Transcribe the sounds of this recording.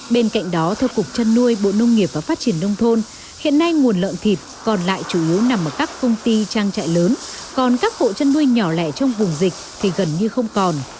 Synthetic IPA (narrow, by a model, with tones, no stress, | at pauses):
ɓe˧nka̰˧˨jŋ̟ɗɔ˨˦t̪ʰɛː˧wkʊ˨˩k͡p̚t͡ɕə˧nːu˧əjɓo̰˧˨nə˧wŋ͡mŋi˨˩əp̚v̥aː˨˩faː˦˥t̚t͡ɕi˧˩ənːə˧wŋ͡mt̪ʰo˧n | hḭ˧˨ənːa˧jŋu˨˩ənlə̰ː˧˨nt̪ʰi˨˩t̚kɔ˨˩nla̰ː˧˨jt͡ɕu˧˩ʔi˨˦əwna˨˩mʔəː˧˩kaː˦˥kːə˧wŋ͡mt̪i˧t͡ɕaː˧ŋt͡ɕa̰ː˧˨jləː˨˦nkɔ˨˩nkaː˦˥k̚ɓo̰˧˨t͡ɕə˧nːu˧əjɲɔ˧˩lɛ̰˧˩t͡ɕɔ˧wŋ͡mvʊ˨˩ŋ͡mzï˨˩k̟̚t̪ʰi˨˩ɣə˨˩nɲɨ˧xə˧wŋ͡mkɔ˨˩n